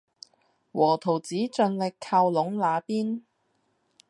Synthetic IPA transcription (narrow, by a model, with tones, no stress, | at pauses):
wɔː˨˩t̪ʰo˨˩wt͡siː˨˥t͡ʃɵ˧nlɪ˨kʰaː˧wlʊ˨˥ŋlaː˨˧piː˥n